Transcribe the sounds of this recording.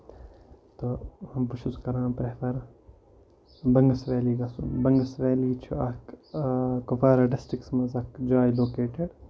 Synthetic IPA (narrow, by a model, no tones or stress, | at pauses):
t̪ohɐmpʃuskɐɾãːpɾepɐɾ | bɐŋɡɐsʋeːliːɡɐsṵbɐŋɡɐsʋeːliːt͡ʃʰuɐk | kofaːɾɐɖɐsʈɾiksmɐzɐkd͡ʒaːjloːkeːʈeɖ